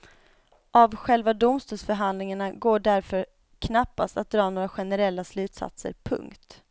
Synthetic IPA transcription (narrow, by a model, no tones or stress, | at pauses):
ʔavɧɛlvad̪ʊmst̪uːlsfœɾɦand̪lɪŋaɳaɡoːɖæɾfœɾ | kʰnapːast̪at̪̚d̪ɾɑːnoːɾaɧɛnɛɾɛlːaslʉ̟ːt̪sa̰t̪sə̰ɾpʰɵ̰ŋkt̪